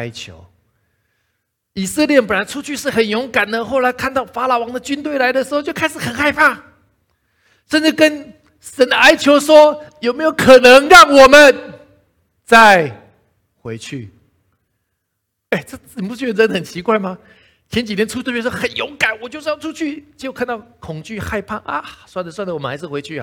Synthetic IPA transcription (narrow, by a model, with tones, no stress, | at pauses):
a˥ɪt͡ɕʰjo̰˧˦˥ʊ | i˨˩sə˥˧ljɛ˥˩p̬la˧˥ɪʈ͡ʂʰu˥t͡ɕʰy˥˧ʂɻ̩˥˩xə˨˩njɔ˧˥ŋka˨˩nd̪ə˦xo˥˩ʊla˧˥ɪkʰa˥˧nt̪ɑ˥˩ʊfa˥la˨˩wɑ˧˥ŋd̪ə˨t͡ɕy˥nt̪we˥˩ɪla˧˥ɪd̪ə˨ʂɻ̩˧˥xo˥˧t͡ɕo˥˩kʰa˥ɪʂɻ̩˨˩xə˨˩nxa˥˧ɪpʰa˥˩ | ʂə˥˧nʈ͡ʂɻ̩˥˩kə˦n | ʂə˧˥nd̪ə˧a˥ɪt͡ɕʰjo˧˥ʊʂwɔ˥jo˨˩ʊme˧˥jo˧˥ʊkʰɤ˨˩nɤ˧˦ŋɻɑ˥˩ŋwɔ˨˩mə˨˦n | t͡sa˥˩ɪ | xwe˧˥ɪt͡ɕʰy˥˩ | e˥˩ɪʈ͡ʂɤ˥˧˩ni˨˩pu˥˧t͡ɕy˥˩˥ə˥n˩xə˨˩nt͡ɕʰi˧˥kwa˥˩ɪma˨ | t͡ɕʰjɛ˧˥nt͡ɕi˨˩jɛ˧˥nʈ͡ʂʰu˥t̪ʰə˥˩pjɛ˥ʂɔ˥xə˨˩njo˧˥ʊka˨˩˦nwɔ˨˩t͡ɕjo˥˧ʊʂ̩˥jʊʈ͡ʂʰu˥t͡ɕʰy˥˩t͡ɕjkʰa˥˧nt̪ɑ˥˩ʊkʰʊ˨˩ŋt͡ɕy˥˨xa˥˧ɪpʰa˥˩ʔa̰˧swa˥˩nd͡zə˩swa˥˩nlə˨wɔ˨˩mə˦nxa˧˥ɪʂɻ̩˥˩we˧˥ɪt͡ɕʰy̰˥˩˨